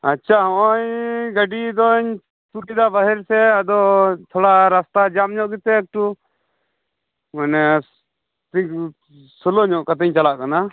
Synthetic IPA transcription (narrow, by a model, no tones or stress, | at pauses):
atːt͡ʃʰaɔɔ̃ɲɡəɖid̪ɔɲ | t̪uʈid̪abəɦɛɾsɛad̪ɔt̪ʰɔɽaɾast̪ad͡ʒamɲɔʔɡit̪ɛːk̚ʈu | manɛ | t̪ik | sɔlɔɲɔʔkat̪ɛɲt͡ʃalaʔkana